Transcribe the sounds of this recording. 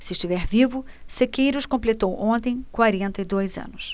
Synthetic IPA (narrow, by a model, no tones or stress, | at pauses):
sɪʃt͡ʃivɛɾvivʊ | sekejɾʊskõmplet̪owʔõnt̪ẽj̃kwaɾẽnt̪ɐid̪ojzɐ̰̃nʊs